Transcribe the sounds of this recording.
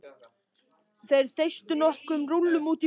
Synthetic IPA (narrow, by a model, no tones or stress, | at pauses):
θejɾ̥θejst̪ʏnɔhkʏmrulːʏmuːt̪i